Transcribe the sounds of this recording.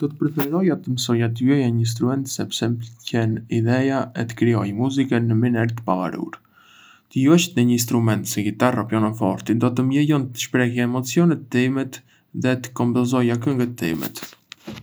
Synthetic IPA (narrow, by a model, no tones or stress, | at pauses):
d̪̥ɔt̪ə̥pɾɛfɛɾɔjat̪əməsɔjat̪əjɔjaɲəins̬t̪ɾumɛnt̪sɛpsɛmcɛnid̪ɛjaɛt̪ə̥kɾiɔjmuzikənːəminɛɾt̪ə̥pava̰ɾṵɾ | t̪əjɔʃt̪nəɲəins̬t̪ɾumɛnt̪səŋɡit̪arapjɔnafɔ̰ɾt̪id̪ɔt̪əmjɛjɔnt̪ə̥ʃpɾɛhjaɛmɔt͡siɔnɛt̪əimɛt̪ | ðɛt̪ə̥kɔmbɔzɔjak̬əŋɡət̪ːḭmɛ̰t̪